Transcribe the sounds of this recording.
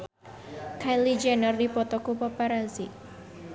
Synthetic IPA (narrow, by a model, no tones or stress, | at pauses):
kajlid͡ʒɛnərdipɔt̪ɔkupɔpaɾazi